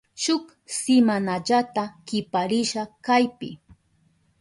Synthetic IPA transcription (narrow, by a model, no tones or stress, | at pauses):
ʃʊk | sɪmanaʎat̪akɪpaɾɪʃakajpɪ̰